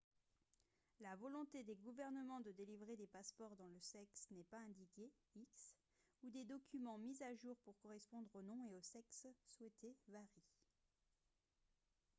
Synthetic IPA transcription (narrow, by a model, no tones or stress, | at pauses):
lavɔlɔ̃t̪ed̪eɡuvɛʁnəmɑ̃d̪əd̪elivʁed̪epaspɔʁd̪ɑ̃ləsɛksnɛpaɛ̃d̪ikʲe | iks | ud̪ed̪ɔkʲʰymɑ̃mizaʒuʁpuʁkɔʁɛspɔ̃d̪ʁonɔ̃eosɛksːwɛt̪ʰevaʁi